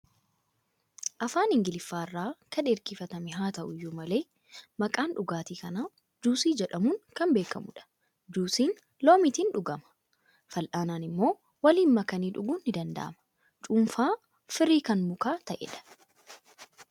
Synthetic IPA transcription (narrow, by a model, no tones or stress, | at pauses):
ʔɐfaːnɪŋɡɪlɪfːaːrːaːkɐneɾkɪfɐt̪ɐmɪɦaːt̪ɐʔʊjːʊmɐle̞ː | mɐkʼaːnᶑʊɡaːt̪iːkɐnaː | d͡ʒuːsiːd͡ʒɛᶑɐmuːŋkɐmbe̞ːkɐ̰mʊᶑɐ̥ | d͡ʒuːsiːn | loːmɪt̪iːnᶑʊɡɐmɐ̥ | fɐlʔaːnaːnɪmːo̞ː | wɐliːnmɐkɐniːᶑʊɡuːnːɪd̪ɐnd̪ɐ̰ʔɐ̰mɐ̥ | t͡ʃʼumfaː | fɪɾiːkɐnmʊkaːt̪ɐʔɛ̰ᶑɐ̥